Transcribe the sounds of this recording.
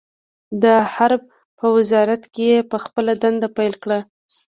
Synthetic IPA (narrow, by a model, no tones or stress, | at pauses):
d̪əhaɾb̚ | pəwɪzɑɾat̪kejepəxpəlad̪and̪apajlkɽa